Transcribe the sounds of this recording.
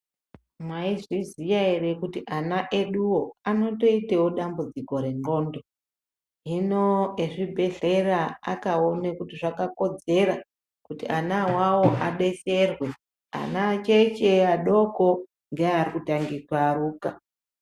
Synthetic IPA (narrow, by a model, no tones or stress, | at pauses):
maizizijaerekutiʔanaʔe̞ɗuwo̞ano̞to̞itewo̞ɗambud͡ziko̞ɾe̞ŋo̞ːndo̞ | ɦino̞eʐibʱe̞ɮe̞raakaonekutiʐakako̞d͡ze̞ɾa | kutiʔanawawo̞ʔaɗe̞se̞rwe̞ | a̰nat͡ʃet͡ʃe̞aɗo̞ko̞ | ŋɡearikutaŋɡikwaɾuːka